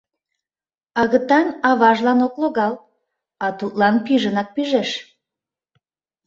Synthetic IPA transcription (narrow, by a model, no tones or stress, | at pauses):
ɑɣət̪ɑnɑβɑʒlɑnokloɣɑl | ɑt̪ut̪lɑnkyʒənɑk̚pyʒeʃ